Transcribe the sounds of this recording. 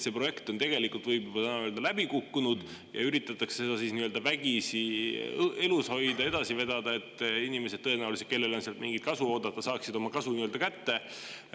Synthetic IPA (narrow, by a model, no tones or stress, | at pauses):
se̞ːpro̞je̞kt̪ont̪e̞ɡ̥e̞likult̪vɤjbjut̪ænøld̪ɑlæbikukːunud̪̥ | jɑ̰yɾit̪ːˑɑt̪ːˑɑksese̞d̪ɑsiːsniːø̞ld̪̥ɑvæɡ̥isi | e̞lusho̞jd̪ɑe̞d̪ɑsive̞d̪̥ɑd̪̥ɑe̞t̪ːˑinime̞s̬e̞d̪̚tɤe̞næuwliset̪ke̞lːe̞lo̞nseɑlt̪miŋɡit̪̚kɑsuo̞ːd̪̥ɑt̪ːˑɑsɑːksid̪̥o̞mɑkɑsuniːø̞ld̪ɑkæt̪ːe̞